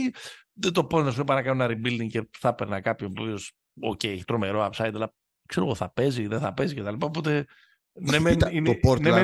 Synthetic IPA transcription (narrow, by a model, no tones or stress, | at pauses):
iðet̪o̞pot̪nɐs̬uipɐnɐkɐnunɐɾibild̪iŋceθɐpeɾnɐkɐpçonopvios | o̰cejeçi̥t̪ɾo̞me̞ɾo̞ɐpsɐjd̪ɐlɐ | kse̞ɾo̞̰ɣoθɐpe̞ziðeθɐpe̞zice̞t̪ɐlipɐopo̞t̪e̞ | nemeninpoɾtneme